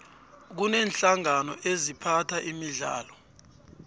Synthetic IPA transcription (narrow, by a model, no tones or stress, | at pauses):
k̬unɛːnɬaŋanɔʔezipʰatʰaʔimiɮa̰ːlɔ